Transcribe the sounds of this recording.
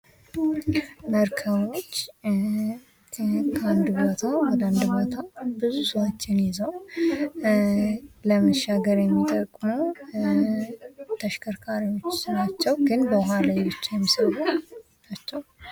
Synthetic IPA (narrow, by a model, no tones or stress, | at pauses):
məɾkʰəβo̞t͡ʃː | kʰand̪bot̪ʰawɔd̪əand̪bot̪ʰabɨzusəwot͡ʃːɪnjɪzəw | ləməʃːaɡəɾjɛmːit̪ʼəkʼːmo | t̪ʰəʃkʰəɾkʰaɾiwo̞t͡ʃːnat͡ʃːɛwɡɨnbəwɦalajbɨt͡ʃːajɛmːisəwu | nat͡ʃːɛw